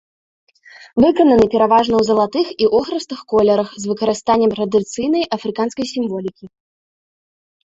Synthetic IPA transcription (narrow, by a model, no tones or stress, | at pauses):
vɨkɐnɐnɨpʲɛɾavaʐnɐwzɐlˠat̪ɨxiʔɔxɾɐst̪ɨxkɔlʲɛɾɐxzvɨkɐɾɨst̪anʲːɛmt̪ɾɐd̪ɨt̪sɨjn̪ɐjʔɐfɾɨkanskɐjsʲimvɔlʲikʲi